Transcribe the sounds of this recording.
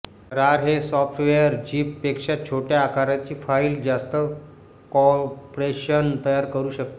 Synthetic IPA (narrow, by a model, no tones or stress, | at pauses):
ɾaɾɦesɔfʈʋejəɾd͡ʑiːpːekʂat͡ɕʰoʈjaːkaɾat͡ɕiːfaild͡ʑast̪ə | kɔpɾeɕənt̪əjaɾkəɾuːɕək̚t̪